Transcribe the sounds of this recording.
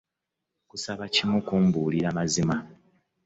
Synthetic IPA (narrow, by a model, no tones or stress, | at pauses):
kusaβacimukumbuːliɾamazima